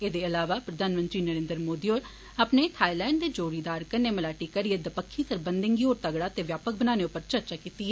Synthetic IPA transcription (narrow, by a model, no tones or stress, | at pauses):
eːd̪eːəlaːʋaːpɾəd̪ʱaːnmənt̪ɾiːnəɾẽːnd̪əɾmoːd̪iːoːɾ | əpneːʈʰaːilɛːɪɳɖd̪eːd͡ʒoːɾiːd̪aːɾkəneːməlaːʈiːkəɾɪeːd̪əpəkʰːiːsəɾbənd̪ɪŋɡiːoːɾt̪əɡɽaːt̪eːʋjaːpək̚bənaːneːʊpːəɾt͡ʃəɾt͡ʃaːkiːt̪iːɛː